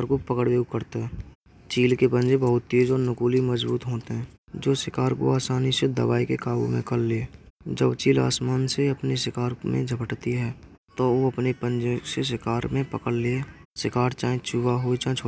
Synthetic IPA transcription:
ɾkopəkəɽbeːkəɾt̪eɦɛː | t͡ʃiːlkepə̃nd͡ʒebəɦʊt̪̚t̪eːd͡ʒɔɾnʊkuːliməd͡ʒbuːt̪ɦoːt̪eɦɛ̃ː | d͡ʒoːsɪkaːɾko̰aːsaːnised̪ə̰ʋaːikekaːɡṵmḛ̃kəllee | d͡ʒəbt͡ʃiːla̰ːsmaːnseəpnesɪkaːɾmḛ̃d͡ʒʱəpəʈt̪iɦɛː | t̪ooːəpnepə̃nd͡ʒẽses̬ɪkaːɾmẽpəkəɽlee | sɪkaːɾt͡ʃaːẽt͡ʃuʋaɦoit͡ʃãt͡ʃʰo

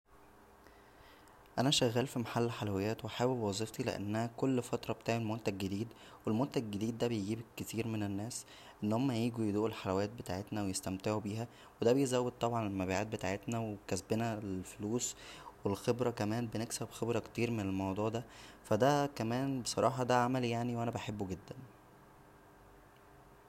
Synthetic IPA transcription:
ʔænæʃæɣːæːlfimaħalːħalæwejːæːt̪wʔaħaːwebwɑzˤift̪ilḛʔæ̰nːæhækolːfɑt̪ɾˤɑbet̪aːʕelmont̪æɡːed̪iːd̪ | welmont̪æɡed̪iːd̪ːæbejeɡiːbkːet̪iːɾmenenːæːs | ʔenːohomːæjiːɡujed̪uːʔelħalæwæːt̪̚bet̪aːʕet̪næwejest̪æmt̪eʕubiːɦæ | wed̪æbejezæwːed̪̚t̪ːˤɑbʕɑnelmæbiːʕaːt̪̚bet̪aːʕet̪næwekæsbenæelfoluːswelxebɾˤɑkæmæːnbeneksæbxebɾˤɑkt̪iːɾmenelmɑwd̪ˤuːʕd̪æfæd̪ækæmæːnbesˤɑ̰ɾˤɑːħɑd̪æʕamæljaʕniwʔænæbaħebːuɡed̪ːæn

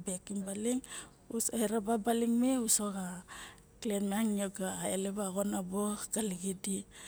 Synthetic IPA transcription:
bekimbaliŋ | usoeɾababaliŋmeusoɡa | klenmeaŋioɡaːelebaɣonaboɡ̥aliɡidi

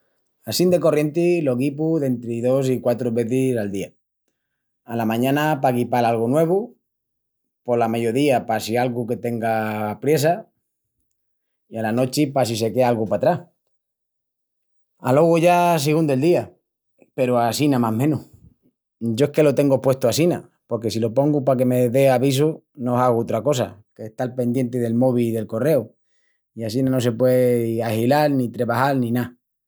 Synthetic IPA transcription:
asind̪e̞ko̞rje̞nt̪ilo̞ɣipuðe̞nt̪ɾiðo̞s̬ikwat̪ɾoβe̞θisald̪ia | lamãɲãnapakipalalɣonwe̞β̞u | po̞lameʝoðiapasialɣuke̞t̪e̞ŋɡapɾje̞sa | ialano̞t͡ʃipasise̞ke̞alɣupat̪ɾah | a̰lo̞ɣ̞oʝas̬iɣ̞und̪oe̞ld̪ia | pe̞ɾoasinamaɦmẽ̞nuh | ɟ͡ʝo̞ehke̞lo̞t̪e̞ŋɡopwe̞ht̪oasina̰ | po̞ɾk̬e̞silo̞po̞ŋɡupake̞me̞ðe̞aβis̬onosaɣ̞ot̪ɾako̞s̬a̰keht̪alpe̞nd̪je̞nt̪eðe̞lmo̞βiðe̞lko̞re̞u | iasinano̞se̞pweahilalnĩt̪ɾe̞βahalnĩna

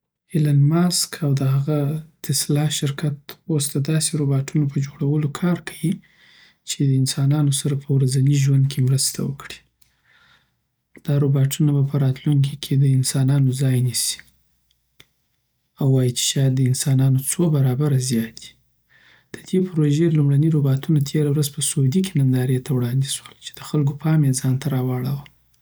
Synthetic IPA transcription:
elanmɑskʰawd̪əɦaɣat̪ɪslɑʃɪɾkat̪ost̪ad̪ɑseɾobɑʈʰunopəd͡ʒoɽawəlokʰɑɾkʰawi | t͡ʃed̪əɪnsɑnɑnosaɾapʰəwɾazaniʒwand̪̚kʰemɾəst̪a̰wəkɽi̥ | d̪̥ɑɾobɑʈunabapəɾɑt̪luŋk̬ikʰed̪əɪnsɑnɑnozɑjnisi̥ | awːɑjit͡ʃe̥ʃɑjad̪ːəɪnsɑnɑnot͡sobaɾɑbaɾazjɑt̪̚d̪i̥ | d̪̥əd̪̥epɾoʒelumɽaniɾobɑt̪unat̪ʰeɾawɾazpəsod̪ikʰenand̪ɑɾet̪ʰawɽɑnd̪iswəlt͡ʃe̥d̪̥əxalɡopʰɑmjezɑnt̪ʰaɾɑwɑɽawa

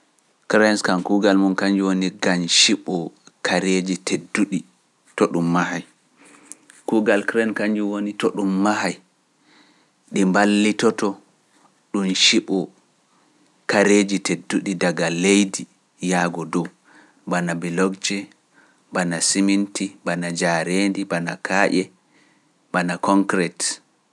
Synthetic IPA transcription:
kɾajnskankuɡalmunkaɲd͡ʒuwoniɡanʃiɓɔkʰaɾed͡ʒitʰedːuɗi | tɔɗumːahaj | kuɡalkɾɛnkaɲd͡ʒuwonitɔɗumːaɦaj | ɗimbalːitɔtɔ | ɗunʃiɓɔ | kaɾeːd͡ʒitedːuɗidaɡalejdi | jaɡɔdɔw | banabilɔɡd͡ʒɛ | banasimintibanad͡ʒaɾendibana̰kʰaːʔɛ | banakɔŋkɾɛt

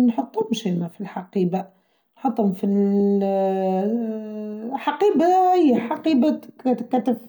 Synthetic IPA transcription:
nħɑt̪ˤːumʃimæfilħaqiːba | nħɑt̪ˤːumfi | ħaqiːbaijːħaqiːbat̪kt̪kːæt̪ːəf

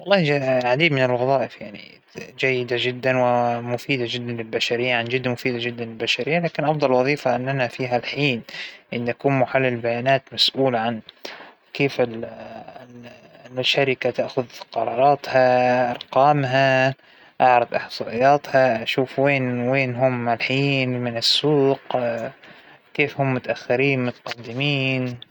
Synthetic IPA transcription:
wɑlˤːɑːhlʕad̪iːd̪mɪnɪlɣɑðˤɑːʔɪfjaʕnḭ | d͡ʒajːɪd̪ad͡ʒɪd̪ːanwɪmʊfiːd̪ad͡ʒɪd̪ːanlɪlbaʃaɾɪjːaʕand͡ʒɪd̪ːmʊfiːd̪ad͡ʒɪd̪ːanɪlbaʃaɾɪjːalaːkɪnʔɑfd̪ˤɑlwɑðˤiːfaʔɪnːʔanafiːɦalħiːnʔɪnːʔakuːnmʊħalːɪlbajaːnaːt̪masʔuːlʕan | keːfɪl | l | lmaʃaːɾɪkat̪aʔxʊðqɑɾˤɑːɾˤɑːt̪haʔɑɾˤqɑːmɦa | ʔaʕɾˤɑd̪ˤʔɪħsˤɑːʔɪjːɑːt̪haʔaʃuːfweːnweːnɦʊmɪlħiːnmɪnɪsːuːq | keːfhʊmːʊt̪aʔaxːɪɾiːnmʊt̪ḁqɑd̪ːɪmiːn

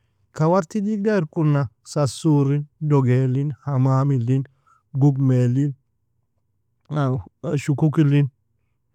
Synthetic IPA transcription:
kɐwɐɾt̪id̪iɡd̪aɪɾkʼʊnːasɐsuːɾɪnd̪ɔɡeːlːɪnhɐmaːmɪlːɪn | ɡʊɡmeːlːɪn | ʃʊkʊkɪlːɪn

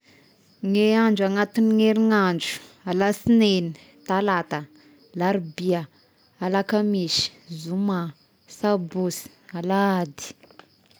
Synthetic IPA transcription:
ŋeaɳd͡ʒaŋat̪iniŋeɾiŋand͡ʒu̥alasineni | t̪alat̪ə | laɾibia | alakamiʃi̥zuma | sabusi̥alaad̪i̥

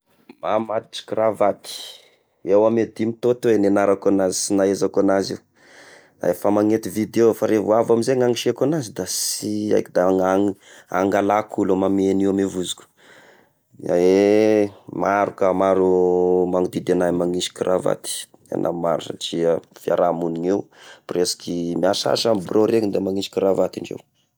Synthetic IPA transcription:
mamad̪iʈ͡ʂi̥kɾavat̪i̥ | ewamed̪imit̪ot̪ewenenaɾakanazi̥sinaezakanazi | a̰efamaŋet̪ivid̪eofaɾevuavamizeŋaŋiʃieakanazid̪asia̰kd̪aŋaŋ | a̰ŋɡalakʰulumameniwamevuzu̥kʲu̥ | ae | maɾukamaɾumaŋid̪id̪enamaŋisi̥kirʔava̰t̪i̥ | a̰nʔa̰maɾuna̰ʈ͡ʂiəfia̰ɾamuniŋewpresḁkimiasa̰ʃambroɾeŋid̪emaŋisi̥kiɾavat̪iɳɖ͡ʐḛw

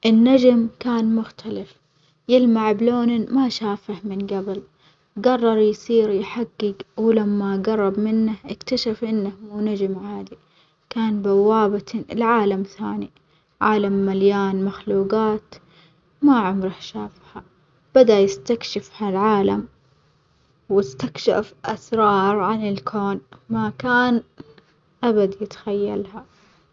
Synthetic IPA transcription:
ʔɪnːad͡ʒmkaːnmʊxt̪ʰalaf | jɪlmaʕbloːnmaʃaːfahmɪnɡabɪl | ɡɑrˤːɑɾˤjsiːɾjħaɡːɪɡwlamːaɡɑrˤːɑbmɪnːahʔɪkt̪aʃafʔɪnːahmuːnad͡ʒmʕaːd̪i | kaːnbawːaːbat̪lɪʕaːlamθaːni | ʕaːlamːaljaːnmaxluːɡaːt̪ | maʕʊmɾɑhʃaːfha | b̥ad̪ajɪst̪akʃɪfhalʕaːlam | wɪst̪akʃa̰fʔasɾˤɑːɾˤʕanɪlkʰoːnmakaːn | ʔabad̪jɪt̪xajːa̰lha

